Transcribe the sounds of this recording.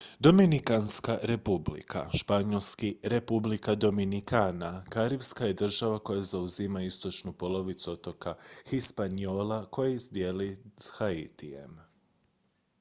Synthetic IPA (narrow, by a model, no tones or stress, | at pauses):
d̪o̞minikanskaɾe̞publḭkʰa̰ʃpaɲo̞lskiɾe̞publikad̪o̞minikanakaɾibskaje̞d̪r̩ʒaʋako̞jazauzimaist̪o̞t͡ʃnupo̞lˠo̞ʋit̪suot̪o̞kaxispanio̞ːlako̞jizd̪je̞lishait̪ije̞̰m